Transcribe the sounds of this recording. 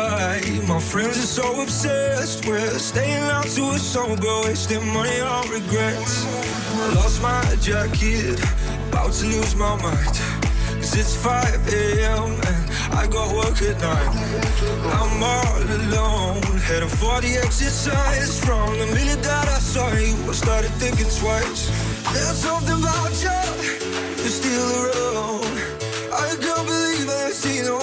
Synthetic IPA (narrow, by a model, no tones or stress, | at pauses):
aɪ | maɪfɹɛ̃ndzə˞soʊəbzɛst̚wə˞ | steɪɪ̃ŋãʊ̃tʰəəsõʊmɡoʊestɛ̃mʌniɔɹɨɡɹɛts | lɔsmaɪd͡ʒækʰɪt | ba̰ʊtʰɨluzmaɪmãɪ̃n | kʰʌzɪtsfaɪvɛɛ̃m | a̰ɪɡɑt̚wɜkɪdⁿnaɪt | ãɪ̃mɔəloʊ̃nɨɾəfɔɹɾiɛksɪsãnɪsɹɔ̃ŋə̃nmɪnidaɾaɪsɔɨwəstɑɹɾɨd̪̚θɪ̃ŋk̬ɪ̃ŋswaɪsðəsʌ̃mθɪ̃ŋbaʊ̥d͡ʒʌt | ɨstilˠəɹoʊn | aɪɨdõʊ̃nbəlivəsino